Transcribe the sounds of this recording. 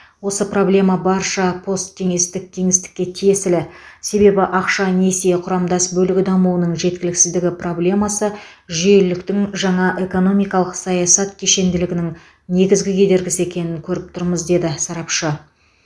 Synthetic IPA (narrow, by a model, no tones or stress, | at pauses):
wo̞səpro̞blʲe̞mɑbɑɾʃɑpʰo̞st̪ʰːe̞ŋe̞st̪ɪk̚t̪ʰe̞ŋɪst̪ɪ̥kʲːe̞t̪ʰije̞sɪlɪse̞be̞bɪʔɑqʃɑne̞seqʰʊɾɑmd̪ɑsbɵlɪɡʲɪd̪ɑmuwənəɴʒe̞t̪̚kʲɪlɪksɪzd̪ɪɡʲɪpro̞blʲe̞mɑsə | ʒʏje̞lɪkt̪ɪŋʒɑɴɑʔe̞ko̞no̞mijkɑlˠəqsɑjɑsɑt̪kʲʰeʃe̞nd̪ɪlɪɡʲɪnɪŋ | ne̞ɡʲɪzɡʲɪkʲʰe̞d̪e̞ɾɡʲɪsɪekʲe̞nɪŋkʲʰɵɾɪp̚t̪ʰʊɾməzd̪e̞d̪ɪsɑɾɑpʃə